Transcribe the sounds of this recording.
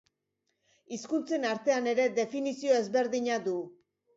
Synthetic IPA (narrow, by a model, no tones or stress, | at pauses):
iskunt͡se̞naɾt̪e̞ane̞ɾe̞d̪e̞finisio̞e̞zβe̞ɾðiɲad̪u